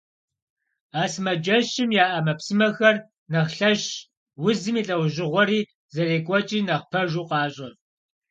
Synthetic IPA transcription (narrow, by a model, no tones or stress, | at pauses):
aːsmɐd͡ʒɐɕɪmjaːʔɐmɐpsɨmɐxɐr | nɐχɬɐɕ | wʊzɨmiːɬʼɐwʑɪʁʷɔɾiː | zɐreːkʷʼɔt͡ʃʼiːnɐʁpʰɐʒuːqɑːɕʼɐ